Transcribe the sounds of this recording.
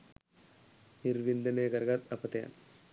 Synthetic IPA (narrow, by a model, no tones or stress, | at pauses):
niɾʋind̪ɐneːɡɐɾɡat̪ɐpɐt̪ɐja̰n